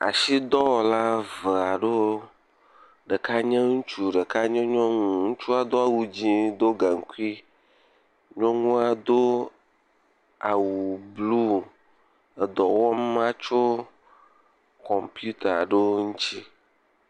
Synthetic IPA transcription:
a̰˨ʃi˦d̪ɔ˦wɔ˨la˦və˨a˨ɖe˦wo˦ | ɖə˨ka˦ɲɛ̃˦ŋũ˦t͡ʃu˦ɖə˨ka˦ɲɛ̃˦ɲɔ̃˦ŋũũ˦˨ŋũ˦t͡ʃu˦a˨d̪o˦a˨wu˦d͡ʑi˦d̪o˦ɡa˨ŋ̩˨˦ku˦i˦ | ɲɔ̃˦ŋũ˦a˨d̪o˦ | a˨wu˨blu˦ | e˨d̪ɔ˨wɔ˦m˦mã˦t͡ʃo˦ | kɔ˨mpju˦t̪a˨ɖe˦wo˦ŋũ˦t͡ɕi˦

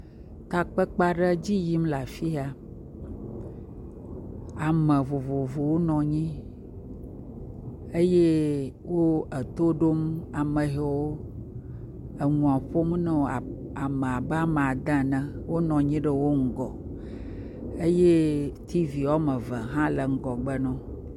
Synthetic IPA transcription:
t̪a˨k͡pə˦k͡pa˦ɖə˦d͡ʑi˦ji˦mla˨fi˦a˨ | a˨mə̃˨vo˨vo˨vo˨wo˦nɔ̃˨ɲĩ˦ | e˦je˦ | wo˦ə˨t̪o˦ɖo˦ma˨mə̃˨ɦe˨wo˦ | ə˨ŋũ˨a˨ɸo˦m˦nɛ̃˦˨a˨ | a˨mə̃˨a˨bɛ˦a˦m˨a˨d̪ã˦nə̃˦wo˦nɔ̃˨ɲĩ˦ɖə˦wo˦ŋ̩˦ɡɔ˨ | e˦je˦t̪ʰi˦vi˨wa˦mə̃˨və˨ɦã˦lə˨ŋ̩˦ɡɔ˨ɡ͡bə˦nɔ̃˦

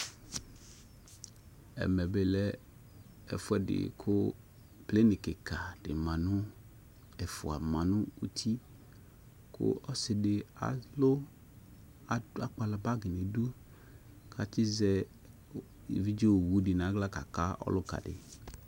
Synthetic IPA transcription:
ɛ̰˨mɛ˨be˨lɛ˦ | ɛ̰˨fʊ˦ɛ˦dɪ̰˨kʰʊ˦ | ple˦nɪ˨kɪ˨kʰa˨ɖ̥ɪ̰˨mã˨nʊ̃˦ | ɛ˨fʊ˨a̰˨mã˨nʊ̃˦u˦t̪ʰi˦ | kʰʊ̰˦ɔ˦sɪ˨dɪ˨a̰˨lʊ˦˨ | a˦k͡pa˨la˨ba˦ɡɪ˨ne˨du˦ | kʰa˨t͡ʃɪ˦zɛ˦˨ | vi˦d͡ʒi˦o˦˨wu˦dɪ˨nã˨˦ɡla˦ka̰˨ka˦ɔ̰˦lʊ˦ka̰˨ɖɪ̰˨

